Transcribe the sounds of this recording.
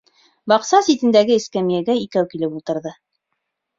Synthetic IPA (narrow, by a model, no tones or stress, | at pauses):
bɑqsɑsit̪ɘ̆nd̪æɡɘɘskæmijæɡæikæwkilɘpulˠt̪ɤ̆ɾðɤ